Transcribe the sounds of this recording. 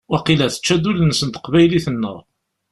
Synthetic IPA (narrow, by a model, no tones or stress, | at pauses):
æqilæθə̥t͡ʃːæd̪ulənsənt̪ə̥qvæjliθənːə̰ʁ